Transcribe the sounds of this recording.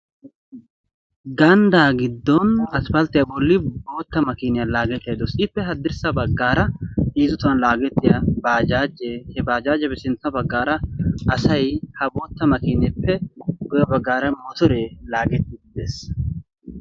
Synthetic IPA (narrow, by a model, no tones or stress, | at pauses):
ɡɐnd̪aːɡɪd̪ːɔnɐspɐlt̪ːɪjabɔlːɪbo̞ːt̪ːɐmɐkiːnɪjɐlaːɡɛt̪ːjɐd̪ɔsɪpːɛɦɐd̪ɪɾsɐbɐɡːaːɾɐiːzʊt̪ʊwɐnlaːɡɛt̪ːɪjɐbaːd͡ʒaːd͡ʒeːhɛbaːd͡ʒaːd͡ʒɛbɛsɪnt͡sːɐbɐɡːaːɾɐʔɐsɐjhɐbo̞ːt̪ːɐmɐkiːnɛpːɛɡɔjɐbɐɡːaːɾɐmɔt̪ɔɾeːlaːɡɛt̪ːɪɡɪd̪eːs